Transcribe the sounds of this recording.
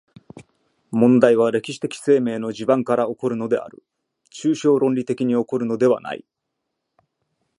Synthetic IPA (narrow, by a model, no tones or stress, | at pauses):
mõ̞nd̪aiβaɾe̞kʲi̥ɕi̥t̪e̞kʲi̥se̞ːme̞ːno̞ʑibãŋkaɾao̞ko̞ɾɯ̟no̞d̪e̞̰a̰ɾɯ̟̰ | t͡ɕɨːɕo̞ːɾõ̞nʲɾʲit̪e̞kʲiɲ̟io̞ko̞ɾɯ̟no̞d̪e̞βa̰na̰ḭ